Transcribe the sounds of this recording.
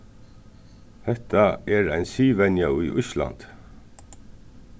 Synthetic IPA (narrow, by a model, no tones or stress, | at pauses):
hɛht̪aɛɾajnsiːʋɛnjaʊjʔʊʃla̰nt̪